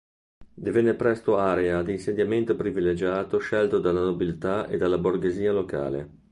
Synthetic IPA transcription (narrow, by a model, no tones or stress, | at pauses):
d̪ivɛnːepɾɛst̪oaːɾead̪iːnsed̪jament̪opɾivilːed͡ʒaːt̪oʃɛlt̪od̪alːanobilt̪aḛd̪alːaborɡeziːaloka̰ːlḛ